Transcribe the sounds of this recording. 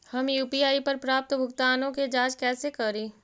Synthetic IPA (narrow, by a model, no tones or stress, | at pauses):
hɐmjuːpiaːipɐɾpɾaːp̚t̪bʱʊɡt̪aːnõked͡ʒaːd͡ʒkɛːsekɐɾĩː